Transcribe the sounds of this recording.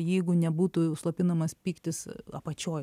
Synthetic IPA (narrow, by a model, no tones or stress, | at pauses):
jɛɪɡʊnʲɛbuːt̪uslˠopʲɪnɐmɐspʲiːkt̪ʲɪsɐpɐt͡ʃʲoːj